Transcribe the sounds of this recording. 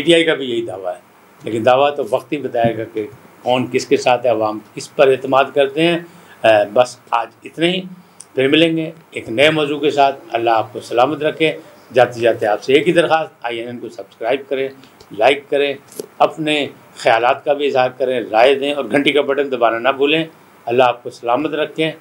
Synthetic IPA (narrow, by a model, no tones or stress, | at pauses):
piːʈiaːikabʱijɐɦid̪a̰ːʋaɦɛː | lḛːkɪnd̪aːʋat̪oʋɐqt̪ɦibɐt̪aːeɡake | kɔːnkɪskesaːt̪ʰɦɛɐʋaːmkɪspɐɾɛːt̪ɪmaːd̪kɐɾt̪eɦɛ̃ː | bɐsaːd͡ʒɪt̪naɦi | pʰɪɾmɪlẽːŋɡe | eːknɐemɔːzuːkesaːt̪ʰɐ̰lːaɦaːp̚kosɐlaːmət̪ɾɐkʰːẽ | zaːt̪izaːt̪ẽaːpseeːkid̪ɐɾxaːst̪aːiɛ̃nɪnkosɐbskɾaːɪb̚kɐɾẽːlaːɪkːɐɾẽːɐpne | xɐjaːlaːt̪kabʱiɪzɦaːɾkɐɾẽɾaːed̪ẽːɔːɾɡʱɐ̃ɳʈikabɐʈə̃nd̪ɐbaːnanɐbʱuːlẽ | ɐlːaaːp̚kosɐlaːmət̪ɾɐkʰːẽː